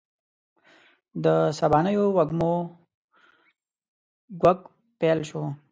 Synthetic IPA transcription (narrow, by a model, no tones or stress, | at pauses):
d̪əsabɑnəjowaɡmo | ɡwak | pelʃo